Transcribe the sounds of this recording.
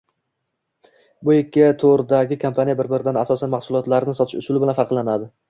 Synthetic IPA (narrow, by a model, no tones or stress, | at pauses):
bʊekʲːɪt̪ʰoɾd̪aɡʲɪkʰampʰanijabɪɾbɪɾɪd̪anasɒsanmahsʊlˠɒt̪laɾɪnɪsɒt̪ʰɪʃʊsʊlɪbɪlanfaɾqlˠanad̪ɪ